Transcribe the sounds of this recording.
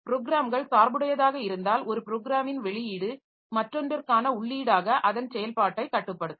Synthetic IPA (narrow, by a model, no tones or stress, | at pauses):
pɪɾoːɡɪɾaːmɡɐɭsaːɾbɯɽɐjɐðaːɣɐɪɾɯnd̪aːlɔɾɯpɪɾoːɡɪɾaːmɪnʋɛɭɪjiːɽɯ | mɐʈrɔndɐɾkaːnɐʊɭːiːɽaːɣɐʔɐðɐnsɛjɐlpaːʈːɐɪkɐʈːɯpːɐɽɯðɯ